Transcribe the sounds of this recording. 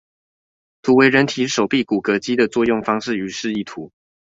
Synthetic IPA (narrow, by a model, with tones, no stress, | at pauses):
t̪ʰu˨˥we˧ɪɻə˧˦nt̪ʰi˨˥ʂo˨˩ʊpi˥˩ku˨˩kɤ˧˥t͡ɕi˥d̪ə˨t͡swɔ˥˧jʊ˥˨ŋfɑ˥ŋʂɻ̩˥˩y˧˦ʂɻ̩˥˧i˥˩t̪ʰu˨˦